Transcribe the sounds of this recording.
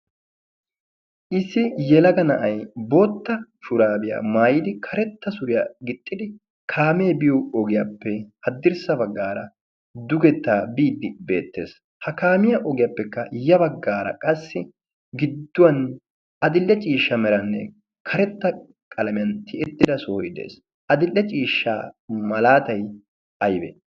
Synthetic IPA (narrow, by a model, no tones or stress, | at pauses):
ʔɪsːɪjɛlɐɡɐnɐʔɐjbo̞ːt̪ːɐʃʊɾaːbɪja̰ːmaːjɪd̪ɪkʰɐɾɛt̪ːɐsʊɾɪjaːɡɪt̪ʼːɪd̪ɪ | kʰaːmeːbɪjoɔɡɪjapːɛhɐd̪ːɪɾsɐbɐɡːaːɾɐ | d̪ʊɡɛt̪ːaːbiːd̪ːɪbe̞̰ːt̪ːe̞̰ːs | hɐkaːmɪjɐʔɔɡɪjapːɛkːɐjɐbɐɡːaːɾɐ̰kʼɐsːɪ | ɡɪd̪ːʊwɐn | ɐd̪ɪlːɛt͡ʃʼiːʃːɐmɛɾɐnːɛ̰ | kʰɐɾɛt̪ːɐ | kʼɐlɐmɪjɐnt̪ʰɪʔɛt̪ːɪd̪ɐsoːjɪd̪ḛːs | ʔɐd̪ɪlːɛt͡ʃʼiːʃːa̰ːmɐlaːt̪ɐj | ɐjbḛ